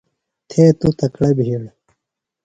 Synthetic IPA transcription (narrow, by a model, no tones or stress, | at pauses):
t̪ʰeːt̪ut̪ɐkɽɐbʱiːɽ